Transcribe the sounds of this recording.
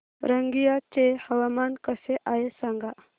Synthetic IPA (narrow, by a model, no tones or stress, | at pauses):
ɾəŋɡijat͡ɕehəʋamankəseʔajesaŋɡa